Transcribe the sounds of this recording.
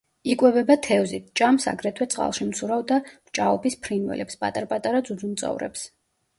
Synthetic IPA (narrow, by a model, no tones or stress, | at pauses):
ikʼwɛbɛbat̪ʰɛvzit̪̚ʰt͡ʃʼamsa̰ɡɾɛt̪ʰwɛt̪sʼqʼa̰lˠʃimt̪sʰuɾavd̪amt͡ʃʼaɔpʰispʰɾinwɛ̰lɛpspʼa̰t̪ʼaɾpʼat̪ʼaɾad̪zud̪zunt̪sʼɔ̰vɾɛ̰ps